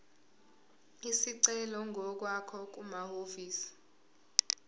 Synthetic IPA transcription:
isiǀɛlɔŋʱɔk̬wakʰɔk̬umahoviːsi̥

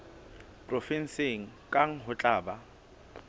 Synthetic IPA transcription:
pʼrɔfɛn̩seŋ̩kʼaŋ̩ɦʊt͡ɬʼaːba

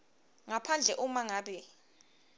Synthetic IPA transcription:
ŋapʰand͡ɮʱɛʔumaŋaːɓɛ

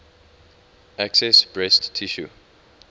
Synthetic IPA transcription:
aksɛsb̥ɹɛstːʰiʃṵ

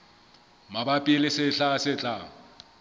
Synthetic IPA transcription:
mabapʼilɪsɪɬasɪt͡ɬʼa

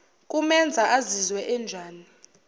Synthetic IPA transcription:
kʼumɛnd͡zʱaʔazizwɛʔɛːnd͡ʒʱaːni

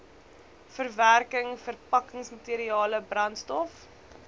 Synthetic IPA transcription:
fərværkəŋfərpɐkəŋsmɐtiːɾiɑːləbrɐntstɔf

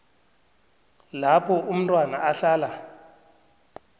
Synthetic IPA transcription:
lapʰɔʔum̩tʼwanaʔaɬaːla

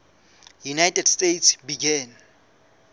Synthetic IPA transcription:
junajtʼɛdstʼetsbiɡɛn

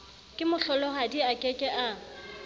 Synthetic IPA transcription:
kʼɪmʊɬɔlɔɦadiakʼɛkʼɛʔa

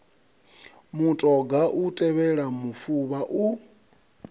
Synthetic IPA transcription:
mutʼɔɡaʔutʼɛβɛɺamufuβaʔu

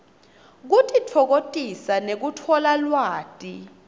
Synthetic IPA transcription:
k̬utʼitʰɔk̬otʼisanek̬utʰɔlalwaːtʼi

